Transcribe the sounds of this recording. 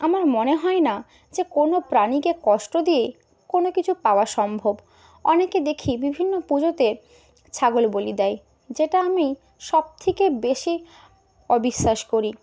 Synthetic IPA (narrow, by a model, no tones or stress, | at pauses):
amaɾmoneɦɔena | d͡ʑekonopɾanikekɔʃʈod̪ije | konokit͡ɕʰupaoaʃɔmbʱob | ɔneked̪ekʰibibʱinːopud͡ʑot̪eɾ | t͡ɕʰaɡolbolid̪ɛj | d͡ʑeʈaami | ʃɔb̚t̪ʰekebeʃi | ɔbiʃːaʃkoɾi